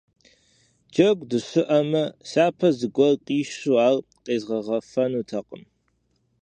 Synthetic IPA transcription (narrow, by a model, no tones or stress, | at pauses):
d͡ʒɐɡʷdɨɕʊʔɐmɐsaːpʰɐzɨɡʷɔlqʼiːʃuaːl | qʼeːzʁɐʁɐfɐnuːtʰɐqʼəm